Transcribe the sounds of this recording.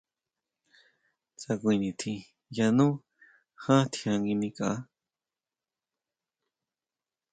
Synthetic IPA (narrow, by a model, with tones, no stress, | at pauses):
t͡sa˧kʷĩ˧nĩ˨t̪ʰĩ˧ | ja˧nũ˦ | hã˦t̪ʰi˧ã˧ŋɡi˧nĩ˧ka˦